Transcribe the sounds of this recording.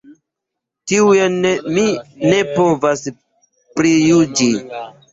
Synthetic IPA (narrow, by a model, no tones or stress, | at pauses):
tiuenmine̞povas | pɾijud͡ʒi